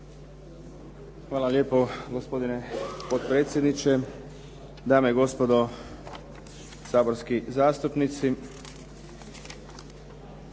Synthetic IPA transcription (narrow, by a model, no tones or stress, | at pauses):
xʋaːlalje̞ːpoɡospo̞d̪inepot̪̚pɾet̪sʲje̞d̪nit͡ʃe | d̪aːmeiɡo̞spod̪o | saːbo̞ɾskizaːst̪upnit̪si